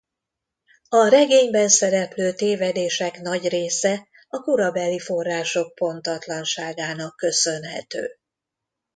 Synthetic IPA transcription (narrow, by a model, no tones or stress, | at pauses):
ɒɾɛɡeːɲbɛnsɛɾɛpløːt̪eːvɛd̪eːʃɛknɒɟreːsɛ | ɒkuɾɒbɛlːifo̞rːaːʃo̞k̚po̞nt̪ɒt̪lɒnʃaːɡaːnɒkːø̞sønɦɛ̰t̪ø̰ː